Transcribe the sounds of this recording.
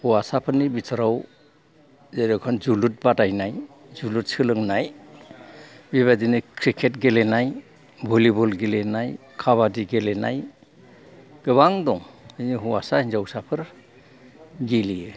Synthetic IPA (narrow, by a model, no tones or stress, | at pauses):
huwasapʰɯɾnibitʰaɾaw | zejɾɔkʰɔnd͡ʒulut̚batajnaj | zulut̚sɯlɯŋnaj | biβadinɯkʰɾikʰet̚ɡelenaj | bʱulibɔlɡelenaj | kʰaβadiɡelena̰j | ɡ̥ɯβaŋdɔŋɯjniɦuwasahinzawsapʰɯɾ | ɡilijɯ